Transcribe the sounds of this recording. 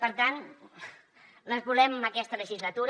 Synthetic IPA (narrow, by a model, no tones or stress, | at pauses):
pəɾt̪an | ləzβulɛməməkɛst̪ələʒizlət̪uɾ